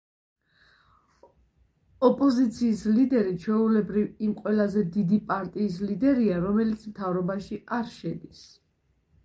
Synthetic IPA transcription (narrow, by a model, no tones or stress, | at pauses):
ɔpʼɔzit̪sʰiːslid̪ɛɾit͡ʃʰwɛulɛbɾivimqʼwɛlazɛd̪id̪ipʼaɾt̪ʼiːs̬lid̪ɛɾiaɾɔmɛlit̪sʰmt̪ʰavɾɔbaʃiaɾʃɛd̪is